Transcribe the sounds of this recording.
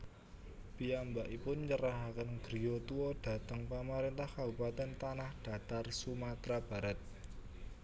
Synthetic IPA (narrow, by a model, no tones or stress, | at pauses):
piambaʔipʊnt͡ʃəɾaɦakənɡ̥ɾijot̪uɔɖ̥ä̤t̪əŋpamaɾɪnt̪ahkabupat̪ɛnt̪anahɖ̥a̤t̪arsumat̪ɾab̥a̤ɾat̪̚